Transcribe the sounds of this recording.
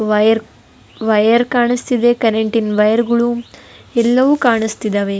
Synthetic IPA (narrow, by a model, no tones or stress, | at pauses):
ʋɐjɐɾ | ʋɐjɐɾkaːɳist̪id̪ekɐɾeɳʈinʋɐjɐɾɡɐɭuɛlːɐʋukaːɳist̪id̪ɐʋe